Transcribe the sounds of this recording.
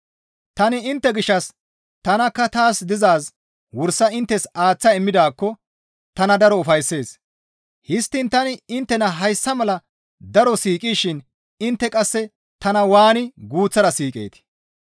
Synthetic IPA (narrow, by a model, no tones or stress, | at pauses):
t̪ɐnɪɪnt̪ːɛɡɪʃːɐs | t̪ɐnɐkːɐt̪aːsd̪ɪzaːs | wʊɾsɐɪnt̪ːɛsaːt͡sːɐɛmːɪd̪aːkːɔ | t̪ɐnɐd̪ɐɾɔʊfɐjsːe̞ːs | hɪst̪ːɪnt̪ɐnɪɪnt̪ːɛnɐɦɐjsːɐmɐlɐ | d̪ɐɾɔsiːkʼiːʃɪn | ɪnt̪ːɛkʼɐsːɛ | t̪ɐnɐwaːnɪɡuːt͡sːɐɾɐsiːkʼḛːt̪ɪ̥